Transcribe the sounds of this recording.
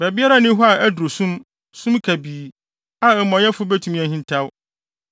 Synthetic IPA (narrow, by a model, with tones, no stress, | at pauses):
bɛ˨bi˦a˦ɾa˦nɪ̃˦ɦɔ˦a˨æ˦du˨ɾo˨sũ˦m | sũ˦mkʰæ˨biː˨ | a˨ɛ˨mɔ̃˨jɛ˦fʊ˦bæ˦tʰũ˨mĩ˦ɛ̃˨ɦĩ˦n˦tʰa˦w